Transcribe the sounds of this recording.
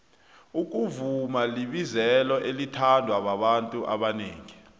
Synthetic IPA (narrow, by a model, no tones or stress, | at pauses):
uk̬ʼuvumaliɓizɛlɔʔelitʰandʱwaɓaɓantʼuʔa̰ɓaneːŋi